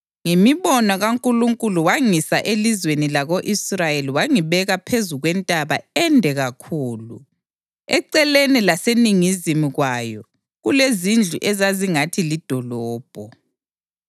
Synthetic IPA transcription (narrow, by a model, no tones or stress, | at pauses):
ŋemiβɔnɔɣaŋkʼuluŋkʼuluwaŋisaʔelizwenilaɣoʔisrajeliwaŋiβɛɣapʰezuɣwɛntʼaβaɛndʱɛɣakʰuːlṵ | ɛ̰ǀɛlenilaseniŋizimiɣwajɔ | ɣulezind͡ɮʱuʔɛzaziŋatʰilid̥ʱɔlɔːb̥ʱɔ